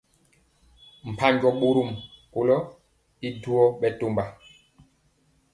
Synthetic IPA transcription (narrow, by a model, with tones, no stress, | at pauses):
m̩˨pa˦ɲɟɔ˦ɓo˦ɾu˦˨mko˨lɔ˦ | i˦du˦ɔ˦ɓɛ˨to˦mba˨